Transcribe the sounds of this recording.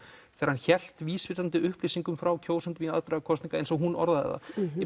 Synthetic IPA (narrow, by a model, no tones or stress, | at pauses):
θɛːɾhançɛl̥t̪viːsvɪɾant̪ɪʏhplisiŋkʏmfɾawcʰoːwsant̪ɪviaðt̪ɾaɣakʰɔsniŋkaejnsɔɣɦunɔ̰ɾðaðɛ̰ða̰